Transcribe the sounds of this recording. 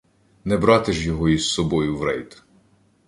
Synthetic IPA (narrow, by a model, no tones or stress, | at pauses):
nɛbɾɑt̪ɪʒjɔɦɔisːɔbɔjʊʋɾɛjt̪